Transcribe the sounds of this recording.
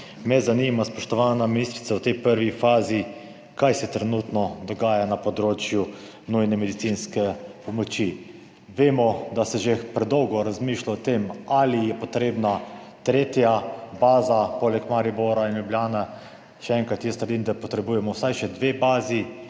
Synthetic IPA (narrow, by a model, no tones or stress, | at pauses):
mɛzanimaspɔʃt̪ɔʋaːnaminist̪ɾit̪sawt̪ɛjpəɾʋifaːzi | kajsɛt̪ɾɛnut̪nɔd̪ɔɡaːjanapɔd̪ɾoːt͡ʃju | nujnɛmɛd̪it̪sinskɛpɔmɔt͡ʃi | ʋeːmɔd̪asɛʒepɾɛd̪ɔwɡɔɾazmiʃlaɔt̪emalijɛpɔt̪ɾeːbna | t̪ɾeːt̪jabaːzapoːlɛkmaɾiboɾainljubljaːna | ʃɛɛŋkɾat̪jɛst̪ɾd̪imd̪apɔt̪ɾɛbuːjɛmɔwsajʃɛd̪ʋebaːzi